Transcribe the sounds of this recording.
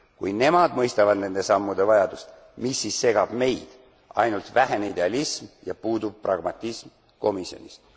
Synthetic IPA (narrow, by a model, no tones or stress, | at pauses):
kujne̞mɑd̪mɤjst̪ɑvɑd̪ne̞nd̪̥e̞sɑmːud̪e̞vɑjɑd̪̥ust̪ | misːisːe̞ɡ̥ɑb̥me̞jd̪̥ | ɑ̰jnult̪væɦenid̪e̞ɑlismjɑpuːd̪ub̥̚prɑɡ̥mɑt̪ʲˑːism | ko̞misjo̞̰nʲist̪